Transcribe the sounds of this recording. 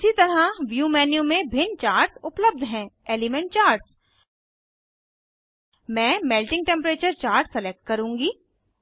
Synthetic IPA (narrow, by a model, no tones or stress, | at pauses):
sit̪ɐɾaʋjuːmɛːnijũmẽbʱɪnt͡ʃaːɾʈsʊpləb̚d̪ʱɦɛ̃ːeːlɪmɛ̃ɳʈ̚t͡ʃaːɾʈs | mɛ̃ːmɛːlʈɪ̃ŋɡ̚ʈɛ̃mpɾeːt͡ʃəɾt͡ʃaːɾʈsɛlek̚ʈ̚kɐɾũːŋɡiː